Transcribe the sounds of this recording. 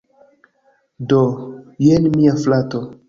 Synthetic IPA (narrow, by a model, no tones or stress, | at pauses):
dojenmiaflato